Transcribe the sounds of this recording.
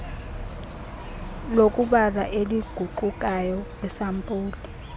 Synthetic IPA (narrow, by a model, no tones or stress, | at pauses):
lokʼuɓaraʔeliɡ̥ʱuǃukʼajɔlɛsampʼuːli